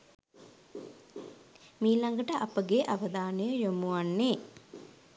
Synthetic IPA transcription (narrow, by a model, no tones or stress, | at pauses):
miːlaŋɡəʈəʔapəɡeʔaʋəd̪aːnəjəjomuʋanːeː